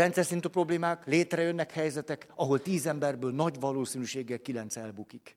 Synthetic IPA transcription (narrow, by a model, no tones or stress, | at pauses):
ɛnt̪sɛrsint̪yːpro̞bleːmaːkleːt̪rɛjønːɛkhɛjzɛt̪ɛkɒɦo̞lt̪iːzɛmbɛrbøːlnɒɟʋɒloːsinyʃeːɡːɛlkilɛnt̪sɛlbukik